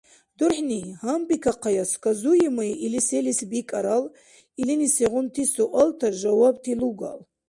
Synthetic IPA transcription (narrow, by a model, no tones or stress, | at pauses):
d̪̥urħnihambikʰaqʰajaskʷʰʼazujimɨjʔiliselisbikʼaɾal | ilinisiʁʊnt̪ʰisuʔalt̪ʰaʒawab̚tʰiluɡa̰l